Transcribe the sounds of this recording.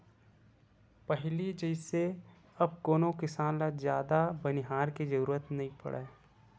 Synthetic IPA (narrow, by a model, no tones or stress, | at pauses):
pəɦlid͡ʒəɪse | ɐb̚koːnokɪsaːnlazjaːd̪abɐnɪɦaːɾkid͡ʒɐɾuːɾət̪nɐɦĩpɐ̰ɽʔa̰